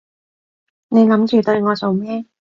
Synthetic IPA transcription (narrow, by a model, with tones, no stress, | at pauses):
ne˨˧jlɐ˨˥mt͡ʃyː˨˩t̪ɵ˧ɥŋɔː˨˧so˨wmɛː˥